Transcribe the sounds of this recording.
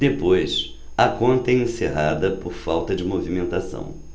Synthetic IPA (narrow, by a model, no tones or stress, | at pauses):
d̪epojs | ɐkõnt̪ɐɛẽseɦad̪ɐpoɾfawt̪ɐd͡ʒɪmovimẽnt̪asɐ̰̃w̃